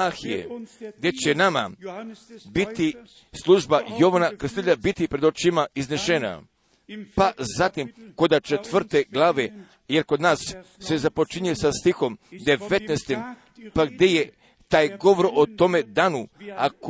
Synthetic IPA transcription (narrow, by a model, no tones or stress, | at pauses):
axijḛɡd̪je̞t͡ɕenama̰ | bit̪i | slˠuʒbajo̞ʋanakɾ̩sieʎabit̪ipɾe̞d̪ot͡ʃimaizneʃena̰ | pazat̪imko̞d̪at͡ʃet̪ʋr̩t̪e̞ɡlˠaːʋe̞ | jeɾko̞d̪naːsːe̞zapo̞t͡ʃiɲujesast̪ixo̞md̪e̞ʋe̞t̪nest̪im | paɡd̪e̞je | t̪aːjɡo̞ʋɾoʔot̪o̞me̞d̪aːnuak